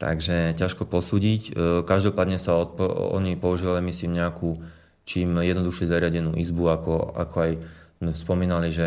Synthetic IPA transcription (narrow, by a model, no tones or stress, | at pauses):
t̪a̰ɡʒɛcaʃkɔpɔsuːɟickaʒd̪ɔpaːd̪ɲɛsaɔt̪̚pɔɔ̰ɲipɔuʒiʋalimisliːmɲɛakuː | t͡ʃiːmjɛd̪nɔd̪uxʃɛzaɾɪaɟɛnṵːʔizbuakɔa̰kɔajz̥mɛspɔmiːnaliʒɛ